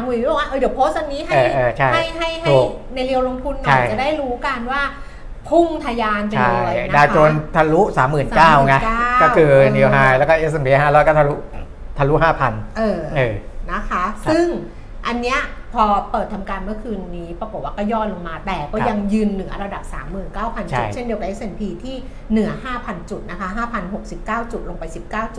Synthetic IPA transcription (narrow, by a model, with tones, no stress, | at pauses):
a˨˦mː˧˩˨wa˧˩ʔɤː˧˩di˩˦wpʰoː˦˥st̪̚wa˧nːiː˦˥ɦaɤːjʔɤː˨˩t͡ɕʰa˥˩ha˥˩jɦa˥˩jɦʰuː˩˨˩ | na˧jɾi˧əwlo˧ŋt̪ʰu˧nːaa˨˥˩ja˨˩daː˥˩jɾuː˦˥ka˧nwaː˥˩ | pʰu˥˩ŋt̪ʰaː˧jaː˧npe˧a˥˩˧jdaː˧ko˧nt̪ʰa˧lu˦˥saː˩˦mːɯː˨˩nsakaː˦˥˩wŋa˦˥aː˥kɔː˥˩kʰɯː˧ni˧əwɦaː˦˩lɛː˦˥kɔː˥˩ʔe˦˥s̬ʔe˧mpiː˧ɦaː˥˩lɔː˦˥jkɔ˥˩a˧lu˦˥ | t̪ʰa˧lu˦˥ʔɦaː˥˩pʰa˧nʔɤː˨˩ʔɤː˨˩na˦˥kʰa˦˥sɯ˥˩ŋ | ʔa˧nːi˦˥ɐpʰɔː˧pɤː˨˩t̪ʰːa˧mkaː˧nmɯ˥˩ɐkʰɯː˧nːiː˦˥pɾa˧ko˨˩t̪̚waː˥˩kɔː˥˩jɔː˥˩lo˧ŋmaː˧t̪ɛː˨˩kɔː˥˩ja˧ŋjɯː˧nːɯ˨˩˦ɐ˦ɾa˧da˨˩p̚sa̰ː˩˦mːɯː˨˩nkaː˥˩wpʰa˧nt͡ɕʰṵ˨˩˥tjʰe˥˩ndi˧əka˨˧ʔe˦˥sʔe˧npʰiː˧t̪ʰiː˥˩ | nɯ˩˦ɐhaː˥˩pʰa˧nt͡ɕu˨˩t̪̚na˦˥kʰa˦˥ɦaː˥˩pʰa˧nɦo˨˩k̚si˨˩p̚kaː˥˩wt͡ɕu˨˩t̪̚lo˧ŋpa˧jsi˨˩p̚kaː˥˩wt͡ɕu˨˩t̪̚